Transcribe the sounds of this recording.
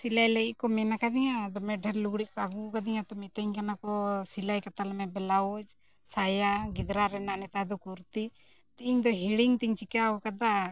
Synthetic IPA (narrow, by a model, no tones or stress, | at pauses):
silajləiʔkɔmɛnakad̪ijãd̪ɔmɛɖʱɛɾluɡɽiʔkɔaɡukad̪ijãt̪ɔmit̪əɲkanakɔsilajkɐt̪almɛ̃bɛlaod͡ʒ | sajaɡɪd̪ɾaɾɛnaʔnɛt̪ad̪ɔkuɾt̪i | t̪iɲd̪ɔɦiɽiŋt̪iɲt͡ʃikaɔkad̪a